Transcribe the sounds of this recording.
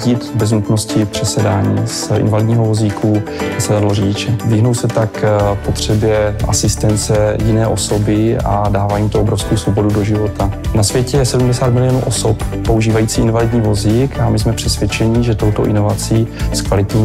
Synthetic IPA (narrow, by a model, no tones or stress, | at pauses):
ɟit̪bɛznut̪no̞scɪpr̝̥ɛsɛdaːɲiːsʔɪ̰nvalɪdɲiːɦovo̞zikʰuasɛdadlorɪɟɪt͡ʃɛvɪɦnowsɛt̪akpot̪r̝̥ɛbjɛʔa̰sɪst̪ɛnt͡sɛjɪnɛːʔo̞so̞bɪadaːvaːimt̪oobɾofskowsvobo̞dudo̞ʒɪvo̞t̪anasvjɛcɛsɛdumdɛsaːt̪mɪlɪjoːnṵːʔo̞soppo̞uʒiːvajiːt͡siːʔɪnvalɪdɲiːvo̞zikamɪsmɛpr̥ɛsvjɛt͡ʃɛɲɪʒɛt̪o̞wt̪o̞ʔɪno̞vat͡siːskvalɪt̪ɲiː